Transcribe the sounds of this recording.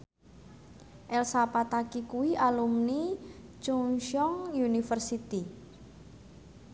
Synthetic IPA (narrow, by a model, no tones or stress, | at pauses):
ʔɛlsapat̪akikuiʔalumnit͡ʃuŋʃɔŋjunifərsit̪i